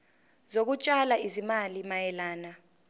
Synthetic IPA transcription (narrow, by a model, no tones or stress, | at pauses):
zok̬ut͡ʃʼalaizimalimajɛlaːna